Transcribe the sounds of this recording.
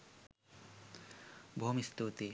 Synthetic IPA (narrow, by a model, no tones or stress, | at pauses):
bʱoːmist̪uːt̪e